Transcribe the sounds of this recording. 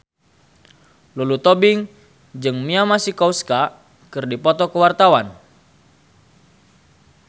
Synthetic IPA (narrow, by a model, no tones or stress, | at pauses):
lulut̪ɔbiŋ | d͡ʒɨŋmiamasikɔwska | kɨrdipɔt̪ɔkəwart̪awan